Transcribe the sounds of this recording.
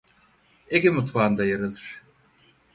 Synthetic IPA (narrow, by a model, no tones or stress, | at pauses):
eɡʲimut̪vaːnd̪ajaɾɯlˠɯɾ̥